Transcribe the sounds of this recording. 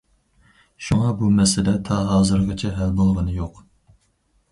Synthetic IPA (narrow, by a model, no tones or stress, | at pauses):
ʃuŋɑbumɛsɪlɛt̪ʰɑɦɑːzɨɾʁət͡ʃʰɛɦɛlbolˠʁənɨjoq